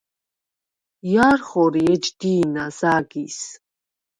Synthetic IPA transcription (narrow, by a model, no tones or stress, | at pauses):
jaːɾχɔɾiɛd͡ʒd̪iːnazaːɡis